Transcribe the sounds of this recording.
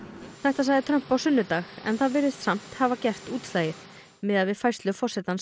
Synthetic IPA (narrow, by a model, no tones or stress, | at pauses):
θɛht̪as̬aɣðɪt̪ʰɾœm̥pawsʏnːʏt̪axɛ̰nθaðvɪɾɪst̪sam̥t̪havacɛr̥t̪uːt̪laːjɪɾ̥ | mɪðaðvɪðfajst̪lʏfɔr̥sɛt̪ans